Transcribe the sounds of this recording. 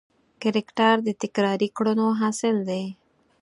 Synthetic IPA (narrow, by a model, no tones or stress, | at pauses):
kɪɾɪkʈaɾd̪ət̪ɪkɾɑɾikɽunoɦɑsɪld̪e